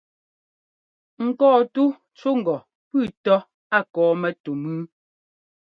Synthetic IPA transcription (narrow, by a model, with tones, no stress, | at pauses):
ŋ̩˨kɔː˦˨tu˦ | t͡ʃu˦ŋ̩˨ɡɔ˨ | pʉ˦˨tɔ˦ | a˦˨kɔː˨˦mɛ˦tu˨mʉ˦